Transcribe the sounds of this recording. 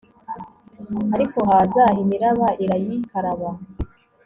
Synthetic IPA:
aɾiko̞ɦaːzahimiɾaβaʔiɾajikaɾaβa

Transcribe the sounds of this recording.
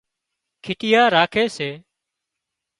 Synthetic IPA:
kʰɪʈɪjaːɾaːkʰeːseː

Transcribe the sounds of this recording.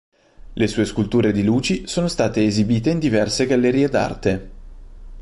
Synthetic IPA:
lesuːeskult̪uːɾed̪iluːt͡ʃisoːnost̪aːt̪eːzibiːt̪eind̪ivɛrseɡalːeɾiːed̪a̰rt̪e

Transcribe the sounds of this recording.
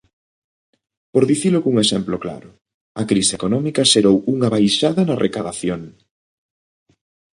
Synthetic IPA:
poɾðiθiloɣuŋesemplokla̰ɾʊ | ɐkɾisekonɔmikɐʃeɾowuŋɐβajʃaðɐnɐrʔekaðaθjoŋ

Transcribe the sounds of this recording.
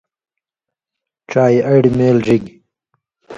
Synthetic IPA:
ʈ͡ʂaːjɐɽimeːlʐiɡ

